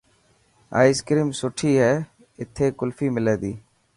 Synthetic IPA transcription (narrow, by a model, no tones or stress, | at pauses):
a̰ːɪskɾiːmsʊʈʰiːɦɛː | ɪt̪ʰeːkʊlfiːmɪleːd̪iː